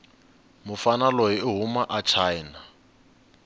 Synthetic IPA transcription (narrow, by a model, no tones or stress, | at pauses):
mʊfanalɔjiːɦumaʔat͡ʃʰaina